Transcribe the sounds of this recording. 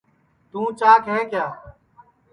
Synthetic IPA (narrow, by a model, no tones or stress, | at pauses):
t̪ũːt͡ʃaːkɦɛ̃ːkjaː